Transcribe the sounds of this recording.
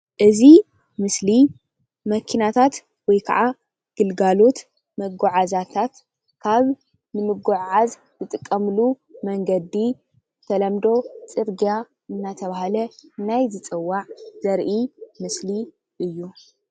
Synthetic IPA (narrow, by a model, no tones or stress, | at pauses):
ʔɨzi | mɨsli | mɐkʰinat̪ʰat̪ | wɔjkʰa̰ʔa | ɡ̥ɨlɡalo̞t̪ | mɐɡoʕazat̪ʰat̪ | kʰaβ | nɨmɨɡoʕʕaz | zɨt̪ʼɨkʼːɐmɨlu | mɐŋɡɐd̪ːi | zɨt̪ʰɐlɐmd̪o̞t͡sʼɨɾɡija | ɨnːat̪ʰɐβahalɐnajzɨt͡sʼɨwːaʕz̥ɐɾʔimɨsli | ʔɨjːu